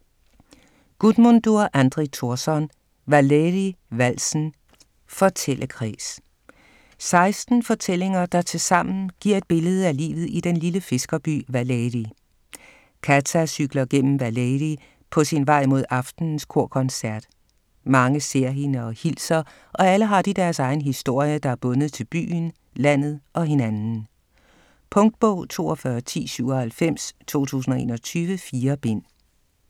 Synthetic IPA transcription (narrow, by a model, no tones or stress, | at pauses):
ɡ̥ud̥mond̥uɐʔænd̥ʁit͡sʰo̝ɐsɒn | ʋæleðiʋæl̰sn̩ | fɒ̽t͡sʰel̰ʔəkʰʁḭːs | sɑ̈ɪsd̥n̩fɒ̽t͡sʰel̰e̝ŋɐd̥ɑ̈t͡sʰe̝lsɑ̈m̰n̩ɡ̥iɐ̰e̝d̥̚b̥e̝ləð̞̩ˠælḭːʋð̩ˠid̥enliləfe̝sɡ̥ɐb̥y̰ːʋæledi | kʰæt͡sʰæsyɡ̥lɐɡ̥en̰m̩ʋæledi | pʰɒ̽sinʋɑ̈ɪ̰mo̝ð̞ˠɑ̈fd̥n̩n̩skʰo̝ɐ̰kʰɒ̽nsæɐd̥ | mɑ̈ŋəse̝ɐ̰jinəɒ̽hilsɐ | ʔɒ̽æləɦɑ̈d̥id̥æɐsɑ̈ɪn̩ɦisd̥o̝ɐ̰jəd̥ɑ̈æɐb̥ɔ̽nəð̩ˠt͡sʰe̝lb̥y̰ːn | læn̰ð̞̩ˠʔɒ̽ɦe̝nænn̩ | pʰɔ̽ŋd̥̚b̥ɔʊ̰t͡sʰo̝̰ːɒfɶːɐt͡sʰḭːsyʊ̰ɒhælfem̰st͡sʰo̝̰ːt͡sʰṵːs̬n̩ɒe̝̰ːnɒ̽t͡sʰyːʋəfiːɐb̥e̝n̰